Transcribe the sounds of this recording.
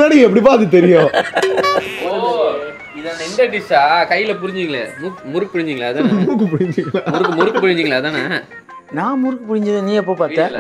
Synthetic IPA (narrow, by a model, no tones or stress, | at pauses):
eːɽɐjɛpːɐɽip̬aːɐðɯt̪ɛɾɪjõː | o | ɪðãːnd̪ɐɪnd̪ɐɖɪsaːkɐjːɪlɐpʊɾɪɲd͡ʒɯŋɡɐɭɛmuːkmʊɾɯkpʊɽɪɲd͡ʒɯiŋɡɐɭaːðaːmuːkːɯpʊɽɪɲd͡ʒɯŋɡɐɭamʊɾɯkːmʊɾɯkːpʊɾɪɲd͡ʒɪŋɡɐɭaːðaːnɐ | nãːmʊɾɯkːɯpʊɽɪɲd͡ʒɐðɯ̃nĩːɛp̬ːoːpaːɾɛ̃ː